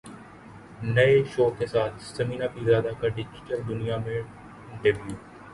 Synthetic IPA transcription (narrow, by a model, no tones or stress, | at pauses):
nɐeʃoːkesaːt̪ʰsəmiːnaːpizaːd̪akaɖɪd͡ʒʈəɾd̪ʊnijamẽ | ɪ̃ɳʈəɾʋjuː